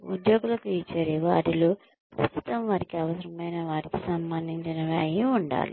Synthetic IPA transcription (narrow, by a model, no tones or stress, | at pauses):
ṵd̪jo̞ːɡulɐkuit͡ʃɐɾiʋuɐ̰ʈilu | kɾɐ̰st̪u̥t̪ɐmʋaːɾikiɐʋɐsɐɾɐmɐjnɐʋaːɾikisɐmbɐnd̪ʱiɲt͡ʃinɐʋeɐjiuɳɖa̰ːlḭ